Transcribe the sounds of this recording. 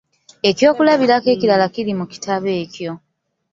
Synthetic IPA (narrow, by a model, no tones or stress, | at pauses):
e̞cjo̞ːkulaβiɾake̞ːcilalakiɾimuki̥tʰaβe̞ːcjo̞